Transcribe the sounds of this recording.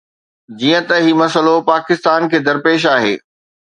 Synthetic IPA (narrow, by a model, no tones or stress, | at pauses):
d͡ʑiːə̃t̪ɐɦimɐsəlopaːkɪst̪aːnkʰeːd̪ɐɾpeːʃ̬aːɦḛː